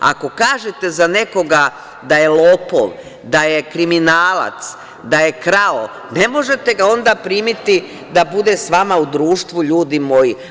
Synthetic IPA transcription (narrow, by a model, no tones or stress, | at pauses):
a̰ko̞kaːʒet̪e̞zane̞ko̞ɡa | d̪aje̞lˠoːpo̰ʋ | d̪aje̞kɾiminaːla̰t̪s | d̪aje̞kɾao | ne̞mo̞ʒe̞t̪e̞ɡao̞nd̪apɾiːmit̪i | d̪abud̪e̞sʋamaud̪ɾuːʃt̪ʋuʎuːd̪imo̞ji